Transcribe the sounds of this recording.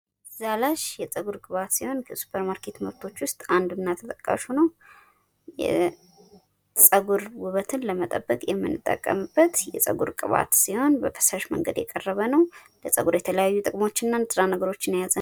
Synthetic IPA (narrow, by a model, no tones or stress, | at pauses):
zalaʃjɛt͡sʼəɡuɾkʼɨβat̪siho̞nkʰəsu̥pʰəɾmaɾkʰe̞t̪məβt̪ʰo̞t͡ʃːwʊst̪ʼand̪ɨnːat̪ʰət̪ʼəkʼːa̰ʃunəw | jɛ̰ | t͡sʼəɡuɾwuβət̪ʰɨnləmət̪ʼəbːəkʼjɛmːɨ̰nːɨt̪ʼːə̰kʼːə̰mɨbːət̪jɛ̰sʼə̰ɡṵɾkʼɨβa̰t̪siho̞nbəfʰə̥saʃmə̰ŋɡəd̪jɛkʼərːəβənəwləsʼəɡuɾjɛt̪ʰələjajːut̪ʼɨkʼmo̞t͡ʃːɪnːansʼɨɾanəɡəɾo̞t͡ʃːɪnjazə